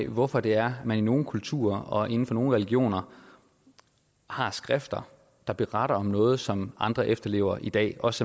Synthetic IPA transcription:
ʋɒfɒ̽d̥e̝æɐmænino̝ːn̩kʰult͡sʰṵːɐɒ̽ʔe̝n̩fɒ̽no̝ːl̩ʁɛliɡ̥jo̝̰ːnɐ | hɑ̈sɡ̥ʁɛfd̥ɐ | d̥ɑ̈b̥eʁɑɾ̥ɐɒ̽mnɔ̽ːð̞̩ˠsɒ̽mʔɑ̈nd̥ʁɐʔefd̥ɐle̝̰ːʊɐʔid̥ɛ̰ːɒ̽s

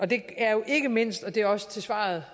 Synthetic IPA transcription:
ʔɒ̽d̥e̝æɐjo̝ʔe̝ɡ̥əme̝n̰sd̥ɒ̽d̥e̝æɐɒ̽sə̥t͡sʰe̝lsʋɑ̰̈ːð̩ˠ

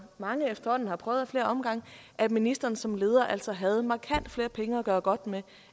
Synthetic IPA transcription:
mɑ̈ŋəefd̥ɐhɒ̽n̰n̩hɑ̈pʰʁœːʊðˠfle̝ːɐʔɒ̽mɡ̥ɑ̈ŋ̰ʔæ̥minisd̥ɐːnsɒ̽mle̝ːð̞ˠɐʔæl̰sɒ̽ɦæð̞̩ˠmɑ̈kʰæn̰d̥fle̝ːɐpʰeŋəɒɡ̥ɶːɐɡ̥ɒ̽d̥me

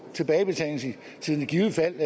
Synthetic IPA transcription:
t͡sʰe̝b̥ɛːɪb̥e̝t͡sʰæ̰si | t͡sʰiðˠn̥ɡ̥iʊð̩ˠəfæl̰æ

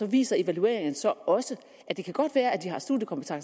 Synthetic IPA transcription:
ɒ̽ʋḭːsɐe̝ʋælue̝̰ːɐeŋən̩sɒ̽ɒ̽sə | ʔæd̥e̝kʰæɡ̥ɒ̽d̥ʋæːɐæd̥iɦɑ̈sd̥ṵːdjəkʰɒ̽mb̥e̥t͡sʰɑ̈ŋs

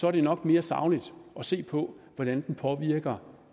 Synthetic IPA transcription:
sɒæɐɾ̥e̝nɒ̽ɡ̥me̝ːɐsɑ̈ʊnid̥ʔɒ̽se̝̰ːpʰɒ̽ʋɒd̥ænd̥n̩pʰɒ̽ʋiɐɡ̥ɐ

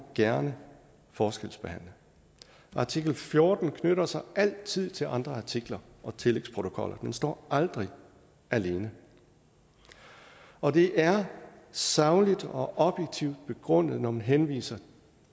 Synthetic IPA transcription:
ɡ̥æɐnə | fɒːsɡ̥el̰sb̥e̝hæn̰lə | ʔɑ̈t͡sʰiɡ̥l̩fjo̝ːd̥n̩kʰnøɾɐsɑ̈ɪʔæl̰t͡sʰið̰ˠt͡sʰe̝lʔɑ̈nd̥ʁɐɑ̈t͡sʰiɡ̥lɐɒ̽t͡sʰe̝leɡ̥spʰʁo̝t͡sʰo̝kʰɒ̽lʔɐd̥ensd̥ɒ̰ːɑ̈ld̥ʁi | æle̝ːnə | ɒ̽d̥e̝ʔæɐ | sɑ̈ʊlid̥ɒ̽ʔɒ̽b̥jeɡ̥̚t͡sʰiʊ̰d̥̚b̥e̝ɡ̥ʁɔ̽n̰ð̞̩ˠnɒmænɦenʋḭːsɐ

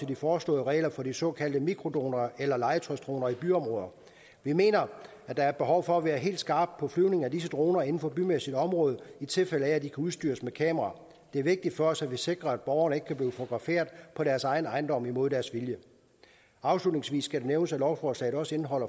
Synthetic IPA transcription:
e̝ldifɒːslɔ̰̽ːðˠəʁɛ̰ːɪlɐfɒ̽disɒ̽kʰæl̰d̥əmiɡ̥ʰʁo̝d̥o̝̰ːnɐelɐlɑ̈ɪət͡sʰʁɒsd̥ʁo̝̰ːnɐib̥yɒ̽mʁɔːð̞ˠɐ | ʋime̝̰ːnɐ | æd̥ɑ̈æɐb̥eɦɒʊfɒ̽æʋæːɐɦe̝̰ld̥sɡ̥ɑ̈ːb̥̚pʰɒ̽flyʊne̝ŋæd̥is̬əd̥ʁo̝ːnɐe̝n̩fɒ̽b̥ymesid̥ɒ̽mʁɔ̽ːð̞ˠit͡sʰe̝lfeləææd̥ikʰæuðˠsd̥y̰ːɐsmekʰɛ̰ːməʁɑ̈ | d̥e̝æɐʋe̝ɡ̥̚d̥id̥fɒɒ̽sædʋise̝ɡ̥ʁɐæd̥̚b̥ɒʊɐnəe̝ɡ̥əkʰæbliːʊfo̥oɡ̥ʁɑ̈fe̝̰ːɐðˠpʰɒ̽ɾæɐsɑ̈ɪn̩ɑ̈ɪn̩d̥ɒ̽m̰imo̝ðˠd̥æɐsʋiljə | ɑ̈ʊslud̥ne̝ŋsʋḭːsːɡ̥æɾeneʊnəsælɒʊfɒːslɛ̰ɪð̩ˠɒ̽səe̝nɦɒ̽l̰ɐ

